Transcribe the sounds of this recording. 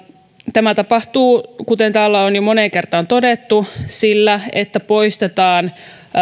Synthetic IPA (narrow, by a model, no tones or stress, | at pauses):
t̪æmæt̪ɑpɑht̪uːkut̪ent̪æːlːæonjomoneŋkert̪ɑnt̪odet̪ːusilːæḛt̪ːæpo̞ist̪et̪ɑːn